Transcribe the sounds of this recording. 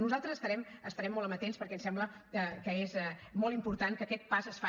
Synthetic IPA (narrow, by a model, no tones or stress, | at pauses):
nuzalˠt̪ɾəzəst̪əɾɛməst̪əɾɛmːɔlˠəmbət̪enspəɾkɛnsɛmbləəkəezɛmɔlˠimpuɾt̪ankəkɛt̪̚pazəsfa